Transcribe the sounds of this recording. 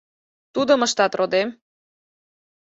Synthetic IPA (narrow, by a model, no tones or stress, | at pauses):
t̪ud̪ə̆məʃt̪ɑt̪rod̪em